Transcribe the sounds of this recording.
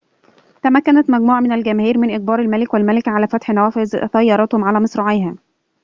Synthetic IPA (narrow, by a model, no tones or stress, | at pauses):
t̪æmækːænæt̪mæɡmuːʕamɪnælɡæmæhiːɾmɪnʔɪɡ̚bɑːɾˤalmælɪkwælmælɪkʕalæːfæt̪ħnæwæːfɪzt̪ɑjːɑɾˤɑːt̪homʕalæːmɨsɾˤɑʕejɦæː